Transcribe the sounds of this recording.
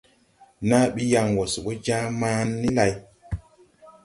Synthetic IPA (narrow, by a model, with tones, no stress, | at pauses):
na˦ɓi˦ja˧ŋwo˨su˨o˦d͡ʒã˦mãː˦nːi˦la˨j